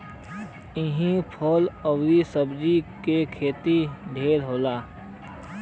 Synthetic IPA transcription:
ɪɦĩpʰɔːləwɾisəbd͡ʒikekʰeːt̪iɖ̪ʱeːɾɦoːlaː

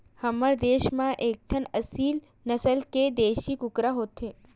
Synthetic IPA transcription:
hɐməɾd̪eːʃmãʔeːk̚ʈ̪ʰənəsiːl | nɐsəlked̪eːʃikʊkɾaɦoːt̪eː

